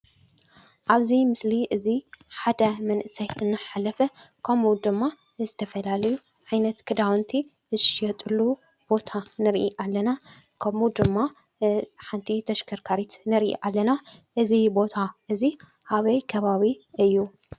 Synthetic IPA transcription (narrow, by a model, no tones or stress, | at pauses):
ʔaβzimɨsliʔɨziħad̪ɐmɐnʔɨsɐjɨnːɨħalɐfɐkʰɐmud̪ɨmːa | zɨt̪ʰɐfɐlalɐju | ʕajnɐt̪kʰɨd̪awnt̪ʰi | ɨʃjɛt̪ʼɨlːu | b̥o̞t̪ʰanɨɾʔḭʔalːɐna | kʰɐmud̪ɨmːa | ħant̪ʰit̪ʰɐʃkʰɐɾkʰaɾit̪nɨɾʔḭʔalːɐnaʔɨzibo̞t̪ʰaʔɨzi | haβɐjkʰɐβaβiʔɨjːu